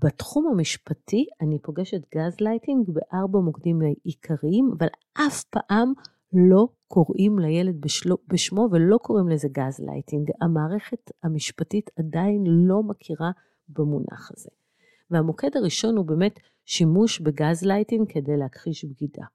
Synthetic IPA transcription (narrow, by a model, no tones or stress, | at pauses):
b̥atχumamiʃpatʰianipo̞ɡeʃe̞tɡazlajtiŋɡbeʔaʁbamokdimlaikʰaʁiimavalʔafpa̰ʔam | lo̞ | kʰo̞ʁʔimlajeled̚beʃobeʃmo̞velo̞kʰo̞ʁimleze̞ɡazla̰jtiŋɡamaːʁe̞χe̞thamiʃpatitʰadainlo̞makʰiʁa | bemunʔa̰χaze | vehamokedaʁiʃo̞nhube̞ːme̞t | ʃimuʃbeɡazlajtiŋɡkʰe̞de̞jleakʁiʃbɡida̰